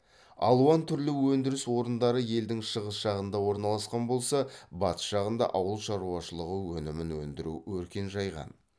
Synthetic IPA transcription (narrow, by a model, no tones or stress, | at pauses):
ɑ̰lˠuɑnt̪ʰʏɾlɪwɵnd̪ɪɾɪswo̞ɾənd̪ɑɾəje̞ld̪ɪŋʃəʁəsʒ̥ɑʁənd̪ɑwo̞ɾnɑlˠɑsqɑnbo̞lˠsɑbɑt̪ə̥sʃɑʁənd̪ɑ̰ʔɑwəlˠʃɑɾuɑʃəlˠəʁəwɵnɪmɪnwɵ̰nd̪ɪɾṵwɵɾkʲe̞nʒɑjʁɑ̰n